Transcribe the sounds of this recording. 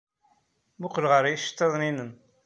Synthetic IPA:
mʊqlʁəɾjiʃə̥t̪ːɑðˤninən

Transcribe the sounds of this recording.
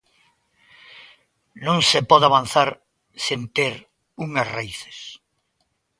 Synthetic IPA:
nõŋsepɔðaβan̟θaɾ | sent̪eɾ | uŋɐsraiθe̥s

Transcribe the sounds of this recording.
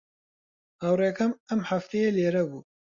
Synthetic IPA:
ɐwreːkɐmɐmħaft̪ʰejeːleːɾɐbuː

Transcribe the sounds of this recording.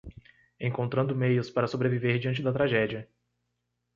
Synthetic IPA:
ẽkõnt̪ɾɐ̃nd̪ʊmejʊspaɾɐsobɾeviveɾd͡ʒiɐ̃nt͡ʃɪd̪ɐt̪ɾaʒɛd͡ʒiɐ

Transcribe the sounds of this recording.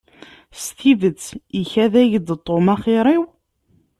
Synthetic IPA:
st̪ivət͡sːiçæðæʝd̪t̪ˤːomæχɪɾˤiw

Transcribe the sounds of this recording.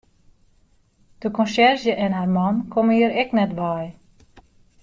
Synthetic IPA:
d̥əkɔnsɛrzjəʔɛnɦaːrmɑnkʰɔməiəɾɛknɛtʋaj

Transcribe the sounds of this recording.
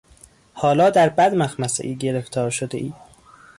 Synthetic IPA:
hɒːlɒːd̪æɾbæd̪mæxmæsḛʔiːɟe̞ɾeft̪ʰɒːɾʃod̪ḛʔiː

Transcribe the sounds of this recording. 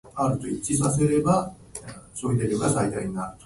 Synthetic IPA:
aɾɯ̟t̪oit͡ɕisase̞ɾe̞ba | soid̪eɾʲɯɡasait̪aĩŋaɾɯ̟t̪o̥

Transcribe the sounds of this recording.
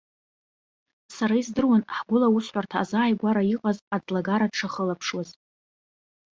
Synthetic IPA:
saɾaizdɨrwanħɡʷʊlawusħʷartʰaːzaːjɡʷaɾaiqʼazad͡zlaɡaɾaʈ͡ʂʰaχəlapʰʂwaz

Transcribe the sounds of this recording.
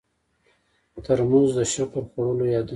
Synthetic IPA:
t̪aɾmuzd̪əʃakəlxaɽəlojɑd̪ə

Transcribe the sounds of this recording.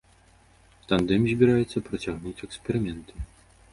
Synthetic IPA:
t̪and̪ɛmʲzʲbʲiɾajɛt̪sːɐpɾɐt͡sʲaɣnut͡sʲɛkspʲɛɾɨmʲɛnt̪ɨ

